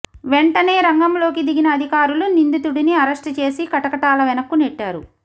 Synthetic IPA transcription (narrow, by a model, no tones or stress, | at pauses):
ʋe̞ɳʈɐneːɾɐŋɡɐmlo̞ːkid̪iɡinɐːd̪ʱikaːɾulunind̪it̪uɽiniɐɾɐʂʈt͡ʃe̞ːsikɐʈɐkɐʈaːlɐʋɛnɐkːuneʈːaːɾu